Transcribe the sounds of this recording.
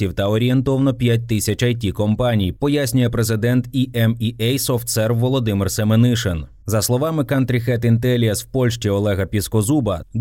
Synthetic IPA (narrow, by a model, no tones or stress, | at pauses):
iwt̪ɐɔɾʲie̞nt̪ɔʋnɔpʲjat̚ʲt̪ɪsʲɐt͡ʃɐjt̪ʲːikɔmpɑnʲijpɔjasʲnʲʊjɛpɾezɪd̪ɛnt̪iʔɛmiʔɛjsɔft̪sɛrwʋːɔlˠɔd̪ɪmɪrsemenɪʃen | zɐslˠɔʋɑmɪkɐnt̪ɾʲixɛt̪ɪnt̪ɛlʲiɐswpɔlʲʃʲt͡ʃiɔlˠɛɦɐpʲiskɔzubɐd̪